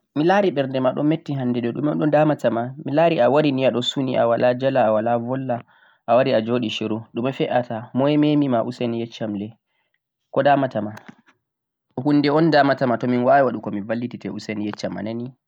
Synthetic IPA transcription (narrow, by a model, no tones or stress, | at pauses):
milaːɾiɓɛɾndɛmaɗɔ̰mmːetːiɦanːdɛɗɛɗṵmɔ̰ɗɔndamatamamilaɾiawaɾiniaɗɔsuniʔa̰walad͡ʒalaːwalavɔlːa | ʔawaɾiad͡ʒoːɗiʃiɾuɗumafɛʔatamɔjɛmemimaʔusenijɛt͡ʃːamlɛ | kɔdamatama | hunːdɛɔndamatamatɔminwawɛwaɗukɔmivalːititɛusenijɛt͡ʃːama̰nani